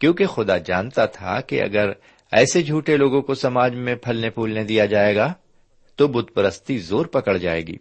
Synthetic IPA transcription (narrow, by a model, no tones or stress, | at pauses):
kjõːkexʊd̪ad͡ʒa̰ːnt̪at̪ʰa̰kḛʔɐ̰ɡəɾ | ɛ̰ːsed͡ʒʱuːʈeloːɡõkosɐmaːd͡ʒmẽpʰɐlnepʰuːlnẽd̪ijad͡ʒaːeːɡaː | t̪obʊd̪̚pəɾəst̪izoːɾpɐkəɭd͡ʒaːḛːɡḭː